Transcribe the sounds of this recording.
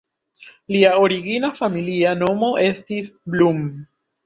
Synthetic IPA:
liao̞ɾiɡinafamiliano̞mo̞ʔe̞stisblum

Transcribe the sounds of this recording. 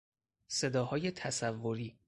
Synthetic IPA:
se̞d̪ɒːhɒːje̞t̪ʰæsævːoɾiː

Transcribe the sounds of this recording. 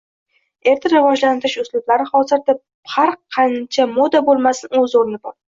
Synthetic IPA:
e̞ɾt̪ʰaɾɪvɒd͡ʒlant̪ɪɾɪʃʊslʊblaɾɪχɒzɪɾd̪ep | haɾqʰːɑnt͡ʃʰamod̪abolˠmasɪnɵzoɾɪnɪbɒ̰ɾ

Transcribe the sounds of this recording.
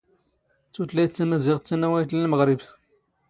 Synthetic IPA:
t͡sːut̪læjt͡sːæmæziʁt͡sːænːæwæjt̪lælməʁɾɪb

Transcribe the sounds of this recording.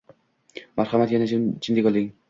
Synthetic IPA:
maɾχamat̪janat͡ʃʰɪnd̪ɪkʲɒlˠɪŋ

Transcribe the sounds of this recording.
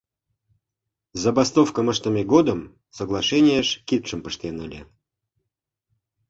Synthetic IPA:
zəbast̪ofkəməʂt̪əmʲeɡod̪əm | səɡlˠaʂɛnʲɪjəʂkʲit̪̚ʂɨmpəʂt̪ʲenɨlʲɪ̰

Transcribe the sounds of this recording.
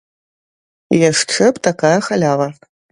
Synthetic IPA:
jɛʂʈ͡ʂʰɨptʰakaːjɐxɐlʲaːʁɐ

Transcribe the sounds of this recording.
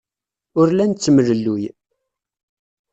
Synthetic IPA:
ʊɾlænt͡sːəmələlːuj

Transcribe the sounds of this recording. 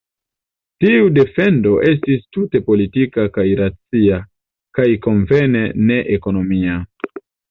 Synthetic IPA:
tiude̞fe̞ndo̞ʔe̞s̬tistute̞po̞litikakajɾat͡sia | kajko̞ɱve̞ne̞ne̞ʔeko̞no̞mia

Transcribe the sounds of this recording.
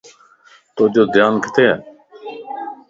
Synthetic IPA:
t̪oːd͡ʒoːd̪jaːnkət̪eːɛː

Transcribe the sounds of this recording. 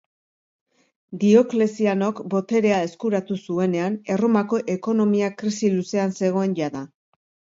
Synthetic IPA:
d̪io̞kle̞siano̞kbo̞t̪e̞ɾe̞ae̞skuɾat̪usue̞ne̞ane̞romako̞ʔe̞ko̞no̞miakɾisiluse̞anse̞ɣ̞o̞e̞nʝaða

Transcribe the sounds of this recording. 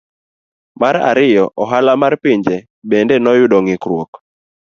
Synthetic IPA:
maɾa̰ɾɪjɔʔɔɦalamarpɪɲd͡ʒe | bendenɔjʊdoŋɪkɾwok

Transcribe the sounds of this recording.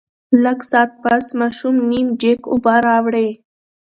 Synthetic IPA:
laɡsɑːt̪̚pasmɑʃumnimd͡ʒekʊ̰baɾɑwɽe

